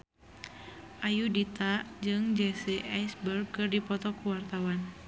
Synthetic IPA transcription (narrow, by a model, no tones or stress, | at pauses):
ʔajudit̪ad͡ʒɨŋd͡ʒɛseʔajsbərɡkɨrdipɔt̪ɔkuwart̪awan